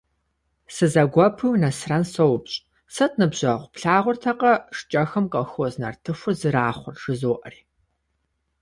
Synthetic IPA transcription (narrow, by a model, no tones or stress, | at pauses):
sɨzɐɡʷɔpʰɨwnɐsrɐnsowpɕʼ | sɐtʼnɨbʑɐʁʷʊpɬaːʁʷʊrtʰɐqɐʂt͡ʃʼɐxɐmqʼɐxoznɐ̰rtʰɨfʷʊrzɨɾaːχʷʊrʂɨzowʔɐ̰riː